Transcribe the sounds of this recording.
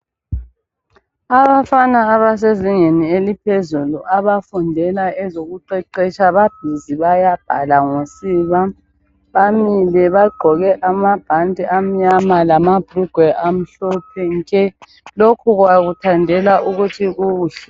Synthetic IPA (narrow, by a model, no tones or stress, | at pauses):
aβafanaːβas̬eziŋenielipʰezuluʔaβafundʱɛlaɛzoɣuǃɛǃɛt͡ʃʼaβab̥ʱiziβajab̥ʱa̰laŋosiːβa | βamilɛβaɡ͡ǃʱɔɣɛʔamab̥ʱantʼiam̩ɲamalamab̥ʱruɡ̥ʱwɛʔam̩ɬɔp̚ʰɛŋkʼɛ | lokʰuɣwaɣutʰandʱɛlaʔuɣutʰiɣuːɬɛ̥